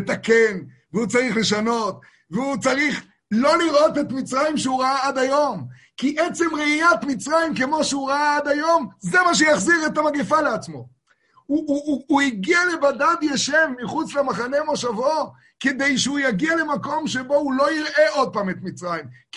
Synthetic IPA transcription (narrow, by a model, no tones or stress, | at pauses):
et̪aken | veut͡saʁiχle̞ʃano̞t̪ | veut͡saʁiχ | lo̞liʁʔo̞t̪et̪mit͡sʁajimʃeuʁaaad̪ajo̞m | kiʔet͡se̞mʁeijat̪mit͡sʁajimke̞mo̞ʃeuʁaaad̪ajo̞mzemaʃ̬ejaχziʁet̪amaɡifaleat͡smo̞̰ | uːiɡiale̞bad̪ad̪jaʃevːiχut͡slemaχanemoʃavo | ked̪ejʃeujaɡiale̞mako̞mʃebo̞ulo̞jiʁʔe̞ʔo̞d̪̚paːmet̪mit͡sʁajim